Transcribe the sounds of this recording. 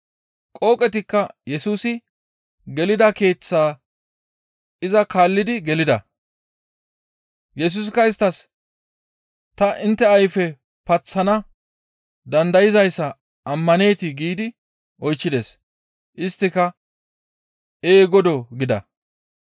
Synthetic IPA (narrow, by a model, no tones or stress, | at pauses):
kʼo̞ːkʼɛt̪ɪkːɐjɛsuːsɪ | ɡɛlɪd̪ɐke̞ːt͡sːaː | ɪzɐkaːlːɪd̪ɪɡɛlɪd̪ɐ̰ | jɛs̬ʊs̬kːɐɪst̪ɐs | t̪ɐʔɪnt̪ːɛɐjfɛ | pɐt͡sːɐnɐ | d̪ɐnd̪ɐjɪzɐjsːɐ | ʔɐmːɐne̞ːt̪ɪɡiːd̪ɪ | ʔɔjt͡ʃːɪd̪es | ʔɪst̪ːɪkɐ | eːɡɔd̪ɔɡɪd̪ɐ̰